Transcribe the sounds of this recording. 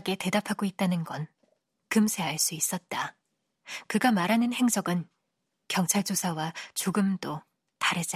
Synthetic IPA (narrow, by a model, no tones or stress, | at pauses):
ɡe̞te̞dapʰaɡoit̚t͈anɯnɡʌn | kɯmsʰe̞ɦaɭs͈uis͈ʌt̚t͈a | kɯɡamaɾanɯnhe̞ŋsʰʌɡɯn | kjʌŋt͡ɕʰaɭd͡ʑosʰawat͡ɕoɡɯmdo | taɾɯd͡ʑ